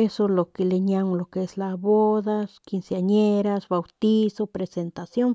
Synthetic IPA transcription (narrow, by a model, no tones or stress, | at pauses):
esolokeleɲamlokeeslaβoðaskinsjaɲeɾasbawt̪isopɾesent̪asjoŋ